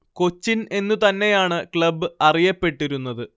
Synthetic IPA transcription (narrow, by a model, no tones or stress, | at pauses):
ko̞t͡ɕːine̞nːut̪ɐnːe̞jaːɳɨkɭɐbːɨɐrijɐpːe̞ʈːiɾunːɐðɨ